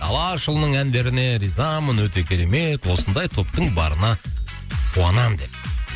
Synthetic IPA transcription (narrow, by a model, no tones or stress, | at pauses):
d̪ʰɑ̰lˠɑʃəlˠnəɴænd̪e̞ɾɪne̞ɾizɑmənwɵt̪e̞kʲʰe̞ɾe̞me̞t̪wo̞sənd̪ɑjt̪ʰo̞pt̪əɴbɑ̰ɾənɑ | qʰuɑnɑmd̪e̞p̚